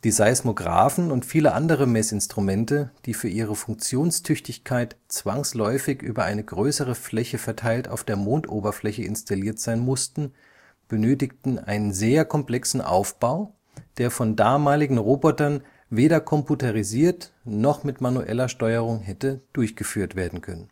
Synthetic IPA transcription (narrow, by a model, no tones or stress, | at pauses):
d̥iːzaɪsmoɡʁa̰ːfn̩ʊntfiːləʔa̰ndəʁ̞əmɛsɪnstʁ̥umɛntəd̥iːfyːɐʔiːʁ̞əfʊŋk̚t͡sjoːnstʰʏçtɪçkʰaɪtt͡sv̥aŋslɔʏfɪçʔy̰ːbɐʔa̰ɪnəɡʁøːsəʁ̞əflɛçəfɛɐtʰaɪlta̰ʊfd̥eːɐmoːntʔoːbɐflɛçəɪ̰nstaliːɐtz̥aɪnmʊstn̩ | b̥ənøːtɪktn̩ʔa̰ɪnənzeːɐkʰɔmpl̥ɛksn̩ʔa̰ʊfb̥aʊ | d̥eːɐfɔndaːmaːlɪɡŋ̩ʁoːbɔtɐn | veːɾɐkʰɔmputaʁiziːɐtnɔχmɪtmanuʔɛ̰lɐʃtɔʏəʁ̞ʊŋɦɛtəd̥ʊɐçɡ̥əfyːɐtv̥eːɐdn̩kʰœnən